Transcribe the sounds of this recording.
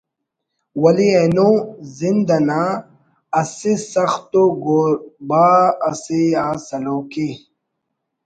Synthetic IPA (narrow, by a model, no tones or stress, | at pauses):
wɐlienozind̪ɐna | ɐsisɐxt̪oɡoɾbaɐsiaːsɐloːki